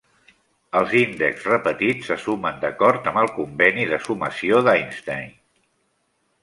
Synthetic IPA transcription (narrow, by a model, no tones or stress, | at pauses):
əlˠzind̪ə̰ksrəpət̪it͡sːəsumənd̪əkɔɾt̪əmbəlˠkumbɛniðəsuməsioðajnst̪ajn